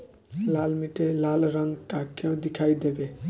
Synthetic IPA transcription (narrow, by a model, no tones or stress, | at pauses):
lalmiʈelalɾəŋɡʈakːõd̪ikʰajd̪ebe